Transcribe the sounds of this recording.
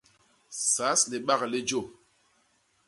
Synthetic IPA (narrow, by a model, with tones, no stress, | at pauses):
sa˨˦sle˨ɓa˦ɣle˦d͡ʒo˦˨